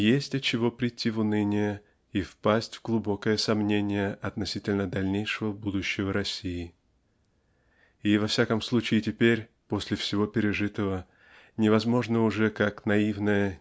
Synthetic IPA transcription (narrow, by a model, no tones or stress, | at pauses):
jesʲtʲɐt̪̚t͡ɕːɪvo̞pɾʲɪtʲːivʊnɨnʲɪjə | ifpasʲtʲv̥ɡlˠʊbo̞kəjəsɐmnʲenʲɪjəʔɐt̪nɐsʲitʲɪlʲnəd̪ɐlʲnʲejʂɨvəbud̪ʊɕːɪvəɾɐsʲijɪ | ivɐfsʲakəmslˠut͡ɕɪɪtʲɪpʲeɾʲ | po̞sʲlʲɪfsʲɪvo̞pʲɪɾʲɪʐɨt̪əvə | nʲɪvɐzmo̞ʐnəʊʐɛkaknɐivnəjə